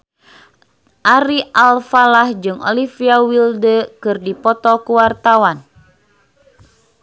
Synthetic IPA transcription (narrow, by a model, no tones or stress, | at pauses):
ʔaɾiʔalfalahd͡ʒɨŋɔ̰lifiawildəkɨrdipɔt̪ɔkuwart̪awan